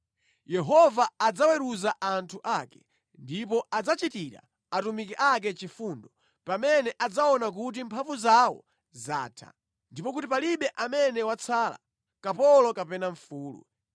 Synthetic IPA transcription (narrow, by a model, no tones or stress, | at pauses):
jɛɦɔvaːd͡zawɛɾuzaʔantʰuʔakɛ | ndipɔʔad͡zat͡ʃitiɾa̰ | atumikɛʔak̬ɛt͡ʃifundɔ | pamɛnɛʔad͡zaɔnak̬ut̬impʰaɱvuzawɔ̰ | zaːtʰa̰ | ndipɔk̬utipaliɓɛʔamɛnɛwat͡sʰaːla̰ | kapɔlɔkapɛnaɱfuːlṵ